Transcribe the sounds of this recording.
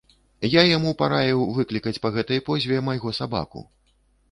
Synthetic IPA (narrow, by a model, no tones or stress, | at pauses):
jajamupaɾajɛwvɨklʲikɐt͡sʲpɐɣɛt̪ɐjpɔzʲvʲɛmajɣɔsaba̰kṵ